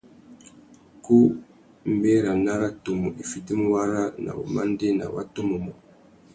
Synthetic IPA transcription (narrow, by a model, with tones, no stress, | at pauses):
ku˦ | m̩˦be˦ɾa˨na˦ɾa˦to˨mu˨ʔi˨fi˨ti˦m˦wa˦ɾa˦na̰˨bo˨ma˦n˦de˦na̰˨wa̰˦to˦mo˨mɔ˨